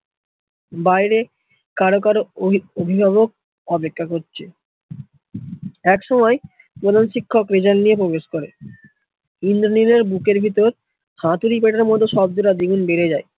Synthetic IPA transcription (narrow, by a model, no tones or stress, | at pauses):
bajɾe | kaɾokaɾoobʱibʱaβok̚ | ɔpekʰːakoɾt͡ɕʰe | ɛkʃɔmɔe | pɾod̪ʱanʃikʰːokɾed͡ʑanːijep̬ɾobeʃkoɾe | ind̪ɾonileɾbukeɾbʱit̪oɾ | hãt̪uɾip̬eʈaɾmɔt̪ːoʃɔb̚d̪uɾad̪iɡunbeɾed͡ʑae